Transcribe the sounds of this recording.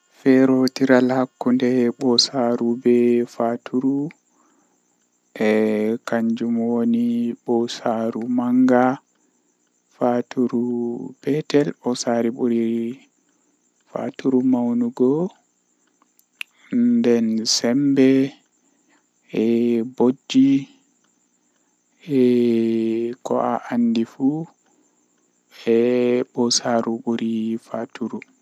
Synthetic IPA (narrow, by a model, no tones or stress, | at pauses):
fɛɾotiɾalhakːundɛɓɔsaɾubɛfatʰuɾu | ʔɛkaɲd͡ʒumwoniɓɔsaɾumaŋɡa | fatuɾubɛtɛlɓɔsaɾiɓuɾi | fa̰tuɾumawnuɡɔ | ndɛnsɛmbɛ | ɛbod͡ʒːi | ɛ | kɔ̰ʔaʔanːdifu | ɛɓɔsaɾuɓuɾifatuɾu